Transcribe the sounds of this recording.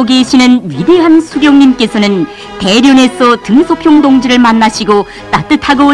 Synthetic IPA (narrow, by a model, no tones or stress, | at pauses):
ɡeɕʰinɯnɥideɦansʰuɡjʌŋɲimk͈e̞sʰʌnɯn | te̞ɾjone̞sʰʌtɯŋsʰopʰjoŋdoŋd͡ʑiɾɯɭmanːaɕʰiɡo | t͈at͈ɯtʰaɡo